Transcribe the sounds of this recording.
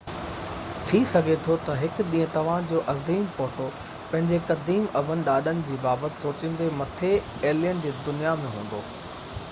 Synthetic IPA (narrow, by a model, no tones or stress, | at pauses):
t̪ʰisɐɡʱet̪ʰot̪ɐɦɪkɗĩːə̃t̪ɐʋ̤ãd͡ʑoːʔɐziːmpoːʈo | pɐ̃ɦɪ̃ɲd͡ʑekɐd̪iːmɐbənɪ̆ɗaːɗənɪ̆d͡ʑiːbaːbət̪ɪ̥soːt͡ɕɪ̃n̆d̪emɐt̪ʰe | eːlijənɪ̆d͡ʑeːd̪ʊnijamẽɦũːn̆d̪oː